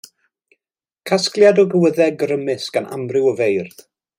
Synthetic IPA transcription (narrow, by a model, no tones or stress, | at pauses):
kʰasklˠjadɔɡəwəðɛɡrəmɨsɡ̥anʔa̰mrɪwəvejrð̥